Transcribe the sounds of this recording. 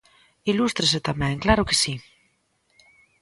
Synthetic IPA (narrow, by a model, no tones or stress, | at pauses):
ilust̪ɾes̬et̪amɛ̃ŋklaɾokesi